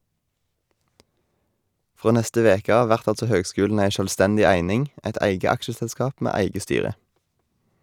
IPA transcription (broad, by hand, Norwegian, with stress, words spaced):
ˈfʁoː ˈnɛstə ˈʋeːkə ˈɑːʋ ˈʋæʁt ˈɑltsɔ ˈhøːɡˌskʉːln̩ ˈæɪ ˈʃøːlˌstɛndɪ ˈæɪnɪŋ ˈʔɛt ˈæɪɡə ˈɑkʃəsɛlˌskɑːp ˈmeː ˈæɪɡə ˈstyːʁə